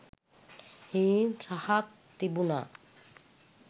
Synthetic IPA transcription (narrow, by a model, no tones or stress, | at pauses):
hinʃahak̚ | t̪ibuna̰